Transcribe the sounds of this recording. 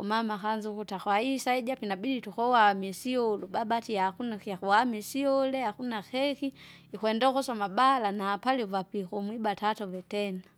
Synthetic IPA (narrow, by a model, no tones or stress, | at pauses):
umamakanzukutakwaisaid͡ʒapinabiditukɔwamɛsiɔlubabatijakunaiakuamɛsiɔlɛakunaxɛki | ikwɛndɔkɔsamabalanaːpalivapixumwibatatɔvɛtɛna